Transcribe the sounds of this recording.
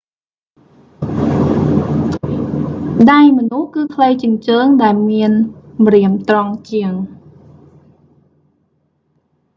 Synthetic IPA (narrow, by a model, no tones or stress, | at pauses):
ɗajmənuhkɨːkʰləjt͡ɕiəŋt͡ɕəːŋɗaɛlmiənmriəmt̪rɑŋt͡ɕiəŋ